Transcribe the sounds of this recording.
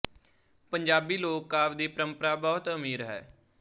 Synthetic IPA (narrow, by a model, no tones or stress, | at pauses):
pəɲd͡ʒaːbiːloːkːaːʋd̪iːpəɾəmpəɾaːbɔːt̪əmiːɾɦɛ̰ː